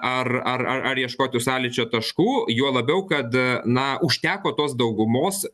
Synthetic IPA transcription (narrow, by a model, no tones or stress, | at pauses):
ɐrɐrɐɐɾjiɛʃkoːt̪ʲʊsɑːlʲɪt͡ʃʲoːt̪ɐʃkuːjuɔlˠɐbʲɛʊkɐt̪nɐʊʃʲt̪ʲæːkoːt̪oːsd̪ɐʊɡʊmoːs